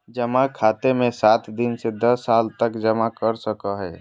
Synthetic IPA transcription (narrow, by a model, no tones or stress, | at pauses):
d͡ʒəmakʰaːt̪emẽsaːt̪ʰd̪insed̪əsːaːlt̪əkd͡ʒəmakəɾsəkəɦɛ